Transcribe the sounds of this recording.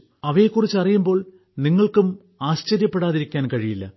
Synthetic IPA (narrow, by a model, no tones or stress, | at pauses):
ɐʋekːurit͡ɕːɐrijumbo̞ːɭ | niŋːɐɭkum | aːst͡ɕɐɾjɐpːe̞ɽaːðiɾikʲːaːnkɐɻijilːɐ̰